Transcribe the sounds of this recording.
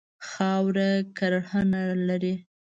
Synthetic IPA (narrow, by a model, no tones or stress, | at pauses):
xɑwɾakaɾahənalaɾi